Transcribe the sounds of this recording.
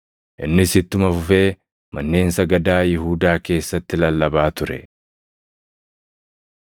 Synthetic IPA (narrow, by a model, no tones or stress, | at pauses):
ʔɪnːɪsɪt̪ːʊmɐfʊfe̞ː | mɐnːe̞ːnsɐɡɐd̪aːjɪɦuːd̪aːke̞ːsːɐt̪ːɪlɐlːɐbaːt̪ʊɾɛ̰